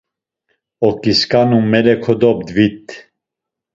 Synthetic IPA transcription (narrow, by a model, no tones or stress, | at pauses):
ɔkʼiskʼanumːɛlɛkʰɔd̪ɔb̚d̪vit̪